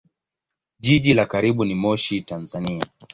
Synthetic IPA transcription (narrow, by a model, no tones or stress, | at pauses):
ʄiʄilakaɾiɓunimɔʃitanzania